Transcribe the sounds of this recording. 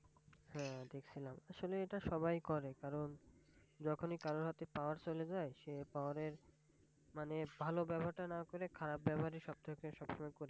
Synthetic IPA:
hɛ̃d̪ekʰt͡ɕʰilamaʃoleeʈaʃɔbajkɔɾekaɾon | d͡ʑɔkʰonikaɾoɾɦat̪epaaɾt͡ɕoled͡ʑaeʃepaoaɾeɾ | manebʱalobɛbʱaɾʈanakoɾekʰaɾab̚bɛbʱaɾeɾʃɔb̚t̪ʰakeʃɔbʃɔmɔjkoɾe

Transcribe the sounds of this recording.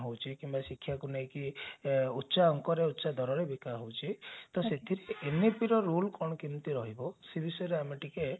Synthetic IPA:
ɦowt͡ʃʰikimbasikʰːjakunejki | utːsaɔŋkɔɾeut̪ːsad̪ʱɔɾɔɾebikaɦowt͡ʃʰit̪ɔset̪ʰiɾeenepiɾɔɾulkɔɽ̃ɔkint̪iɾɔɦibɔsebisɔjɔɾeamiʈike

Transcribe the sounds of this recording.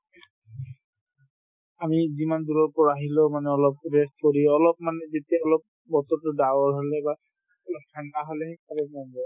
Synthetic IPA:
amizimand̪uɾɔɹpɔɹaɦilomaneɔlɔp̚beskoɾiɔlɔp̚maned͡ʒet̪eɔlɔp̚ | bɔt̪ɔtoɖawaɹɦoleba | lɔkʰanaɦoleɦekʰalemɔndɔ

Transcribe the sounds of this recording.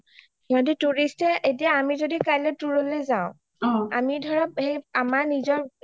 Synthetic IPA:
ɔ̃dituɹistɛʔetijaːmizodikajlɛtuɹolezaʊ̃ | a̰midʱɔɹap̚hejamaɹnizɔɹ

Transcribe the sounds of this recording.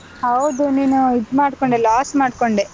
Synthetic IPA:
hɐwd̪uniːnuid̪maːɽkoɳɖelaːsmaːɖkoɳɖe

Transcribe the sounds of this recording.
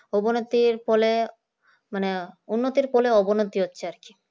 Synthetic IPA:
ɔbonot̪iɾpɔle | maneunːot̪iɾpɔleɔbonot̪iɦotːɕʰeaɾki̥

